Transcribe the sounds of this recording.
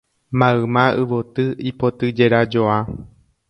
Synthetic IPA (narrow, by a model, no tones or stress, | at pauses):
mãɨmãɨʋot̪ɨipot̪ɨd͡ʒeɾad͡ʒoa